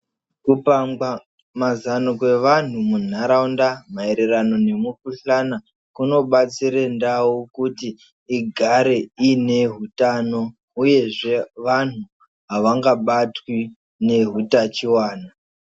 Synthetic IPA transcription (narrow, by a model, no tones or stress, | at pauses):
kupamɡwa | mazanokwe̞ʋan̤umun̤aɾaundamae̞ɾe̞rano̞ne̞mukuɬana | kuno̞ɓat͡siɾendaukutiː | ɡʱaɾeine̞ɦutano̞ | uje̞ʐe̞ʋan̤u | ɦaʋaŋɡaɓatwi | ne̞ɦutat͡ʃiwaːna